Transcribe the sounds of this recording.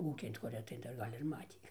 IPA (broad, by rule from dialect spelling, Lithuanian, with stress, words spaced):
ˈuːkʲɪn tɐ kʊˈrʲiɛ tɐɪ ˈdɐr ˈɡɐlʲ ɪr ˈmɑːtʲiː